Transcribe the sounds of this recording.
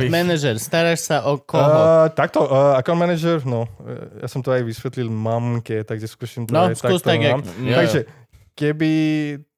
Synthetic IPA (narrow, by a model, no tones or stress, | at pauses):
mɛnɛd͡ʒɛɾst̪aɾaʃsaʔɔkɔɔt̪ak̚t̪oakanmɛnɛd͡ʒɛɾnɔja̰ːsɔmt̪oajʋisʋɛt̪lilmamkɛt̪aɡʒɛskusimt̪ajsaust̪aamt̪aɡʒɛ | kɛbi